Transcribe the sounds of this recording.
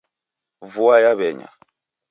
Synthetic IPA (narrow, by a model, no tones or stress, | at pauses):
vuajaβɛɲa̰